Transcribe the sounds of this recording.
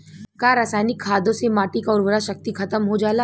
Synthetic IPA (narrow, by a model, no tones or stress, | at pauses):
kaɾaːsaːnɪkʰːaːd̪õsemaːʈikaʊːɾʋəɾaʃɐk̚t̪ikʰɐt̪əmɦod͡ʒaːla